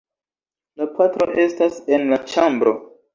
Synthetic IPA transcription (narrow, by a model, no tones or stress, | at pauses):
lapʰatɾo̞̰ʔe̞stase̞nlat͡ʃambɾo̞̰